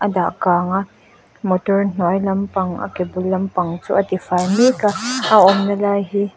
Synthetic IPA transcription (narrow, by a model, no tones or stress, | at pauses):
ʔɐdaʔkaːŋaʔ | mɔtɔrn̥ɔjlɐmpɐŋʔɐ̰kebʊlːɐmpɐŋt͡sṵːʔɐt̪ifajmikaaʔɔmnɐlaːjɦi